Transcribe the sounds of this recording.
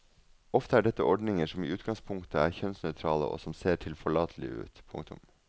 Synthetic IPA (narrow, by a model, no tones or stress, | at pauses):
ɔft̪əæːɖɛt̪ːəʔɔɖnɪŋəʂɔmḭːʉːt̪ɡɑŋspʰʊŋkt̪əæːɾçœnsnœʏt̪ʰɾɑːlə̰ʔo̰ːsɔmseːʈʰɪlfɔɭɑːt̪ʰəlɪ̰ʉ̰ːt̪pʰʊ̰ŋt̪ʊ̰m